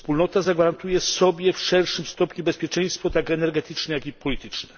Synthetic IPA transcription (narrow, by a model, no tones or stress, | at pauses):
spulnɔt̪azaɡvaɾant̪ujɛsɔbʲjɛfʂɛlʂɘmst̪ɔpɲubɛspʲjɛt͡ʂɛj̃st̪fɔt̪akɛnɛɾɡɛt̪ɘt͡ʂnɛjakipɔlʲit̪ɘ̥t͡ʂnɛ